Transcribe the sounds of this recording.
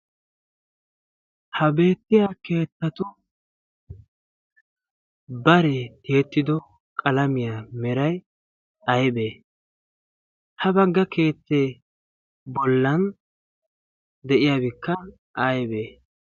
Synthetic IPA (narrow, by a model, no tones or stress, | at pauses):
hɐbe̞ːt̪ːɪjake̞ːt̪ːɐt̪ʊ | bɐɾɛt̪eːt̪ːɪd̪ɔ | kʼɐlɐmɪjamɛɾɐj | ɐjbeː | hɐbɐɡːɐke̞ːt̪ːeː | bɔlːɐn | d̪ɛʔɪjabɪkːɐ | ʔɐjbeː